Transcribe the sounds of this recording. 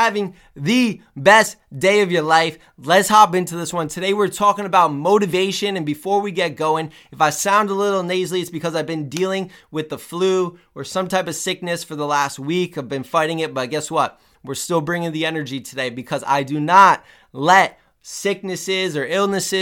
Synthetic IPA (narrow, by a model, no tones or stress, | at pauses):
ævɪ̃ŋ | ðɨbɛstd̥eɪʌvjə˞laɪf | lɨtshɑpɪ̃ntʉðɪswʌ̃ntʰɨdeɪwɪɹtʰɔkɪ̃ŋəbaʊt̚moʊɾɨveɪʃɨ̃nɨ̃nbɨfɔɹwiɡɛt̚ɡ̥oʊɪ̃ŋ | ɨfaɪsãʊ̃ndəlɪɾl̩ˠneɪzliɨsb̥ɨkʰʌzaɪvbɨ̃ndilˠɪ̃ŋwɨðəfluwɨɹsʌ̃mtʰaɪpʌv̥sɪk̚nɨsfə˞ðəlæst̚wikaɪvbɨ̃nfaɪɾɪ̃ŋɪt̚b̥ʌt̚ɡ̥ɛswʌt̚ | wɨɹstɪlˠbɹɪ̃ŋɪ̃ŋðiɛnə˞d͡ʒitʰɨdeɪbɨkʰʌza̰ɪdɨnət̚ | lɛt̚ | sɪk̚nɨsɪzə˞ɪlˠnɨsɪ